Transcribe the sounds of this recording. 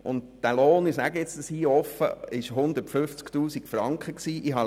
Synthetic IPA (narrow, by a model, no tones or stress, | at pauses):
ʊ̰ntd̥æloːnɪsæɡəɛt͡sd̥əshiːɔfə̰ɪʃɦʊnd̪ətfʏft͡sktuːsikfɾɑŋkχəksiːʔɪɦɑ